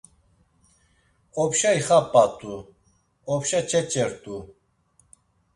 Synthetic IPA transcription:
ɔpʃaiχapʼat̪ʼu | ɔpʃat͡ʃʰɛt͡ʃʼɛɾt̪ʼu

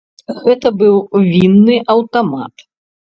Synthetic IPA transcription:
ɣɛt̪ɐbɨwvʲinːɨʔɐwt̪ama̰t̪

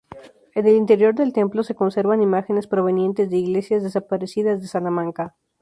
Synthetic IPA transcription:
e̞ne̞lint̪e̞ɾjo̞ɾðe̞lt̪e̞mplo̞se̞ko̞nse̞ɾβanimaxe̞ne̞spɾo̞β̞e̞nje̞nt̪e̞zðe̞iɣle̞sjazðe̞sapaɾesiðazðe̞salamãŋka

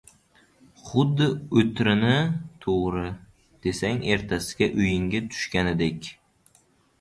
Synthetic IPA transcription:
χʊd̪ːɪɵt̪ɾɪnɪt̪ʰoʁɾɪ | d̪̥e̞saŋe̞ɾt̪ʰasɪ̥ɡʲaʔʊjɪŋɡʲat̪ʰʊ̥ʃkʲanɪd̪ekʲ

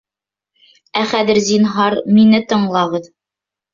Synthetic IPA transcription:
æχæðɘɾzinɦɑɾminɘt̪ɤ̆ɴlˠɑʁɤð

